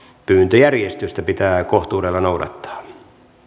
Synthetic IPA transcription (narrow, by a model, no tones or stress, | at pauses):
pyːnt̪øjærjest̪yst̪æpit̪æːkoht̪uːdelːɑnoudɑ̰t̪ːɑ̥ː